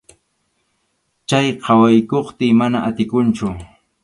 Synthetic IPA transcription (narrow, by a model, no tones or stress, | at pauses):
t͡ʃajqʰɑwajkoχt̪ɪmanaʔat̪ɪkʊnt͡ʃʊ